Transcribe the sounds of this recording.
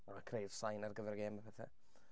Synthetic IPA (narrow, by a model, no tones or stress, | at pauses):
mamakʰrejð̥sajnarɡəvɛrɡeːmapʰɛθɛ̰